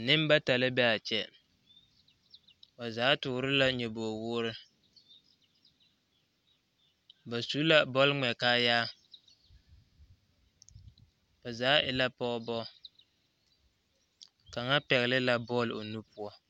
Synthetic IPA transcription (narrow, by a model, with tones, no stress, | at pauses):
nɪ˦mba˦ta˨lɪ˦bɛ˦a˨t͡ʃɛ˨ | ba˨zaː˨˦tʊː˨ɾɪ˦la˦ɲɛ˨bo˨wʊː˦ɾɪ˦ | ba˨su˨˦la˦bɔ˦lŋ͡mɛ˨kaː˦jaː˦ | ba˨zaː˨˦ʔɪ˨la˦pɔ˦bɔ˦ | ka˨ŋa˦pɛ˨ɣɪ˨lɪ˦la˨bɔ˦lo˨nu˦pʊ˦ɔ˦